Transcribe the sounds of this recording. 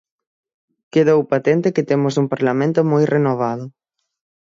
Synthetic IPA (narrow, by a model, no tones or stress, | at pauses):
keðowpat̪ɛnt̪ɪkɪt̪emʊsuŋpaɾlamẽnt̪ʊmojrʔenoβ̞að̞ʊ